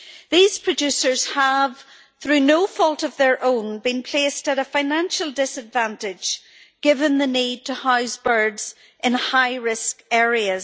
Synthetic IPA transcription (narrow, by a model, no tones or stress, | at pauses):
ðiz̥pʰɹ̥ɨd͡ʒʉsə˞z̥əv̥ | θɹʉnofɔlˠtəvðə˞ʔõnbĩnpʰl̥estəɾəfaɪnãnʃəlˠdɪsədvãntɪ̥d͡ʒ | ɡ̥ɪvə̃nðənid̚tʰəhaʊsbɜ˞dz̥ | ʔɪ̃nhaɪɹɪskɛɹiəz